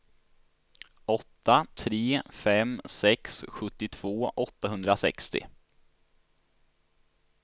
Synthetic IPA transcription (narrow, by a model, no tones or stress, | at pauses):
ɔt̪ːat̪ʰɾeːfɛmːsɛksɧɵt̪ːɪt̪ʰv̥oːʔɔt̪ːaɦɵnd̪ɾasɛ̰kst̪ɪ̰